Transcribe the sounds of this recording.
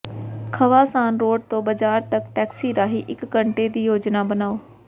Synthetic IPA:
kʰəʋaːsaːnɾoːɖ̚t̪õːbəd͡ʒaːɾt̪əkʈɛːksiːɾaːɦiːʔɪkːəɳʈeːd̪iːjoːd͡ʒnaːbənaːoː

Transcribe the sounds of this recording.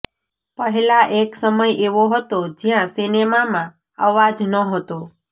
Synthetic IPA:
pəɦɛlaʔeksəməjʔeʋoɦət̪od͡ʒjãsinemamã | əʋad͡ʒnəɦət̪o

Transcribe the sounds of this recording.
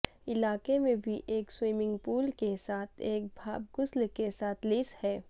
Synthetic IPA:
ɪlaːkemẽbʱiʔeːkswiːmɪ̃ŋɡpuːlkesaːt̪ʰeːk̚bʱaːb̚ɡʊslkesaːt̪ʰlɪːshɛː

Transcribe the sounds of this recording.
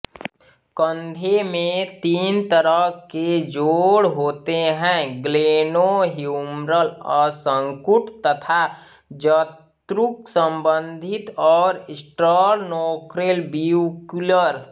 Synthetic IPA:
kənd̪ʱemẽt̪iːnt̪əɾəɦked͡ʒoːɽɦoːt̪eɦɛ̃ːɡleːnoɦimɾəlɔːɾsə̃ŋkʊʈʰt̪ət̪ʰa | d͡ʒə | t̪ɾʊksə̃mbə̃nd̪ʱɪt̪ɔːɾɪsʈəɾnɔːkɾelbiukuləɾ

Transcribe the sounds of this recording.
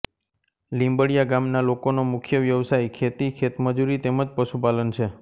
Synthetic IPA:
lĩmbəɽijaɡamnalokonomʊkʰjəʋjəʋsaikʰet̪ikʰet̪məd͡ʒuɾit̪eməd͡ʒpəʃupalənt͡ʃʰe

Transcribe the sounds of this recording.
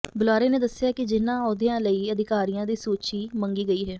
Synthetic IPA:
bʊlaːɾeːneːd̪əsːɪjaːkɪd͡ʒɪnːãːɔːd̪ɪjãːləiːəd̪ɪkaːɾɪjãːd̪iːsoːt͡ʃiːməŋɡiːɡəiːɦɛː

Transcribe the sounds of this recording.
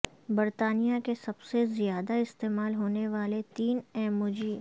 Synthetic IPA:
bɐɾt̪aːnijakesɐbsezjaːd̪aɪst̪eːmaːlɦoːneʋaːlet̪iːnɛːmʊd͡ʒiː

